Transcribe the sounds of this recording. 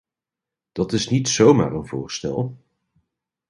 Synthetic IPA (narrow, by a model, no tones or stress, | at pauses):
d̥ɑtɪsnitsowma̰ːrənvʊːɹstɛ̰lˠ